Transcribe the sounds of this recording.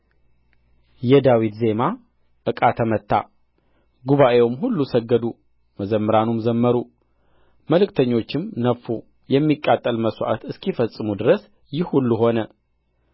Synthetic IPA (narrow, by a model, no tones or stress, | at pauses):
jɛd̪awit̪ze̞ma | ʔɨkʼat̪ʰəmət̪ːa̰ | ɡuβaʔe̞wmɦulːusəɡːəd̪u | məzəmːɨɾanumzəmːəɾu | məlɨkt̪ʰəɲːo̞t͡ʃːɪmnəfːu | jɛmːikʼːat̪ʼːəlməswʔa̰t̪ɨskifəsʼːɨmud̪ɨɾəs | jɪhhulːuɦo̞nə